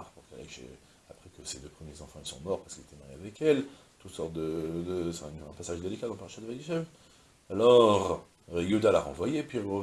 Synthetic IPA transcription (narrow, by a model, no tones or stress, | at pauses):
ʁpuʁkɛlɛ̰kʒḛ | apχɛkəsed̪øpχəmjezɑ̃fɑ̃ilsɔ̃mɔʁpaʁsəkilzet̪ɛmaʁjeavɛkɛl | t̪ut̪sɔʁt̪̚d̪əd̪ə̃fɛ̃nɛ̃pasaʒd̪elikad̪ɑ̃lpaʁʃad̪əvajeʒɛv | alɔʁ | jud̪alaʁɑ̰̃vwajepɥiə